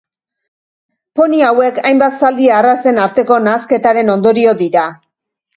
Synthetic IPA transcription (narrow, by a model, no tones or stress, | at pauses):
po̞niawe̞kajmbat̪sald̪iaːrase̞naɾt̪e̞ko̞naːske̞t̪aɾe̞no̞nd̪o̞ɾio̞d̪iɾa